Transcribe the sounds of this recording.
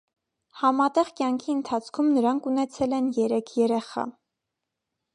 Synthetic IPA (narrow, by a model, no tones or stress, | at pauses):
hɑmɑt̪ɛʁkjɑŋkʰiənt̪ʰɑt͡sʰkʰumnəɾɑŋkʰunɛt͡sʰɛlɛnjɛɾɛkʰjɛɾɛχɑ̰